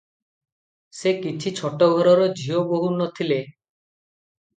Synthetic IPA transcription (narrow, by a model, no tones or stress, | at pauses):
sekit͡ʃʰit͡ʃʰɔʈɔɡʱɔɾɔɾɔd͡ʒʱioboɦunɔt̪ʰile